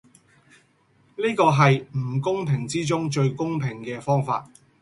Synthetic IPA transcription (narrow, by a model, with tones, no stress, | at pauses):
niː˥kɔː˧ɦɐ˨jm̩˨˩kʊ˥ŋpʰɪ˨˩ŋt͡siː˥t͡sʊ˥ŋt͡ʃɵ˧ɥkʊ˥ŋpʰɪ˨˩ŋkɛː˧fɔː˥ŋfa̰ː˧t̚